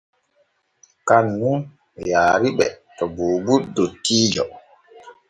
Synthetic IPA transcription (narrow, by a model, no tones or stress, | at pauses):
kanːun | jaːɾiɓɛ̰tɔboːbutdotːiːd͡ʒɔ